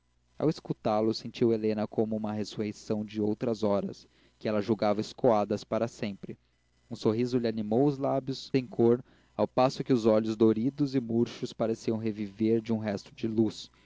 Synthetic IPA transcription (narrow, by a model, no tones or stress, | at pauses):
a̰weskut̪alʊsẽnt͡ʃiwelẽnɐkõmʊũmɐɦesuɦejsɐ̃w̃d͡ʒɪowt̪ɾɐzɔɾɐ̰s | kɪɛlɐʒuwɡavɐɪskoad̪ɐspaɾɐsẽmpɾɪ | ũsoɦizʊlɪanimowʊzlabjʊssẽj̃kʰoɾ | awpasʊkɪʊzɔʎʊzd̪oɾid̪ʊzɪmuɾʃʊspaɾesiɐ̃w̃ɦeviveɾd͡ʒɪũɦɛst̪ʊd͡ʒɪlus